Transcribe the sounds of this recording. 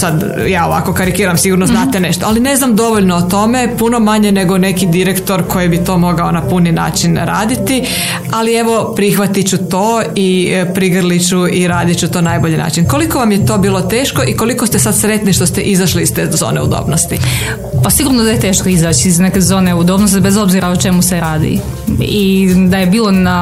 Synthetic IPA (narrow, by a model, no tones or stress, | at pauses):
sad̪ | jaːo̞ʋa̰ko̞kaɾikiːɾamsiɡuɾnoznaːt̪ene̞ʃt̪oaline̞znamd̪o̞ʋoʎnoot̪o̞me̞puno̞maɲe̞ne̞ɡone̞kid̪iɾe̞kt̪o̞ɾkʰo̞jibit̪o̞ːmo̞ɡaonapunina̰ːt͡ʃinɾa̰ːd̪it̪i | alie̞ʋo̞pɾixʋat̪it͡ɕut̪oːipɾiɡr̩lit͡ɕuiɾaːd̪it͡ɕut̪o̞ːnajboʎina̰ːt͡ʃinko̞liko̞ʋamjet̪o̞ːbiːlˠot̪eːʃko̞ʔiko̞likost̪esad̪sɾe̞t̪niʃt̪ost̪eʔizaʃliiz̥t̪eːzo̰ːneṵd̪o̰bnost̪i | pasiɡuːɾnod̪aje̞t̪e̞ːʃkoizaːt͡ɕiizne̞ke̞zo̞ːneud̪o̞bnost̪ibezo̞bziɾaot͡ʃe̞museɾaːd̪ḭ | id̪aje̞biːlˠo̞na